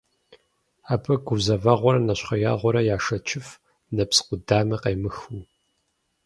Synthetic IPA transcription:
aːpʰɐɡʷʊzɐvɐʁʷɔɾɐnɐɕχɐjaʁʷɔɾɐjaːʂɐt͡ʃʰɪf | nɐpsqʷʊdaːmiqɐjmɨxu

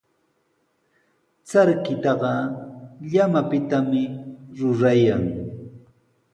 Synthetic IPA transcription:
t͡saɾkɪt̪ɑɢɑ | ʎamapɪt̪amɪɾʊɾajaŋ

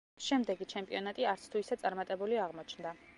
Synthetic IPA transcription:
ʃɛmd̪ɛɡit͡ʃʰɛmpʼiɔnat̪ʼiaɾt̪sʰt̪ʰuisadt̪sʼaɾmat̪ʼɛbuliaʁmɔt͡ʃʰnd̪a

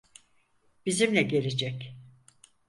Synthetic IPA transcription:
b̥izimlʲɛɟe̞lʲid͡ʒɛc

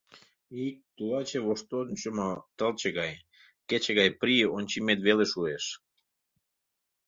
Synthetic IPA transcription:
ik̚t̪ulɑt͡ɕeβoʃt̪onʲt͡ɕəmot̪əlt͡ɕeɣɑj | ket͡ɕeɣɑjpɾionʲt͡ɕimet̪βeleʃueʃ

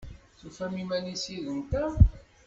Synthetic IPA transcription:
θufæmimænisiðənt̪æ

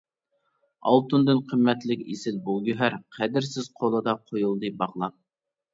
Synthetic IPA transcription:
ɑ̰lˠt̪und̪ɨnqʰəmːɛt̪lɪkʲesɪlbulˠɡʲyɦæɾqʰæd̪ɪɾsɪz̥qʰolˠɨd̪ɑqʰojulˠd̪ɨbɑʁlˠɑp̚

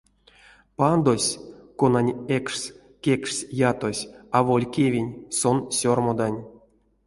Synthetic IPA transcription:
pand̪osʲkonanʲekʂsʲ | kʲekʂsʲjat̪o̞sʲavolʲkʲevʲenʲsonsʲormod̪anʲ

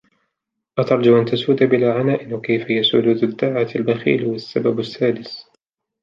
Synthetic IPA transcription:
ʔat̪ɑɾˤd͡ʒaʔant̪asuːd̪abɪlaːʕanaːʔɪnwakajfajasuluːd̪ad̪ːaʕaalbaxḭːlwasːababasːaːd̪ɪs

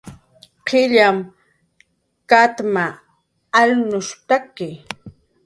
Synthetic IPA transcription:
qʰɪʎam | kat̪maː | lnʊʃt̪akɪ

